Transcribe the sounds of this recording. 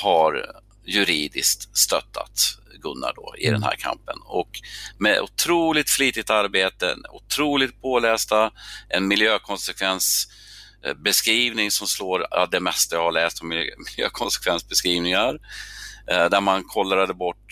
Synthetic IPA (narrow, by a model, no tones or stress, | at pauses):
haɾ | jɵɾiːd̪ɪskt̪st̪œt̪ʰːa̰t̪ | ɡɵnːa̰ɖɔ̰ɪ̰d̪ɛ̰nhæ̰ːɾkʰa̰mpə̰nɔ̰kmɛ̰ʔʊ̰t̪ʰɾuːlɪt̪fliːt̪ɪt̪aɾbeːt̪ə̰nʊ̰t̪ʰɾuːlɪɡt̪̚pʰoːlɛːst̪aʔɛnmɪljøːkʰɔnsɛkʰvɛns | bɛskɾiːvnɪŋsɔmsloːɾa̰d̪ɛmɛst̪ajɑhaɭɛːst̪ɔmmɪljø̰ːkʰɔnsɛ̥kʰvɛnsbɛskɾiːvnɪŋaɾ | d̪æɾmankʰɔlːɾad̪əbɔʈː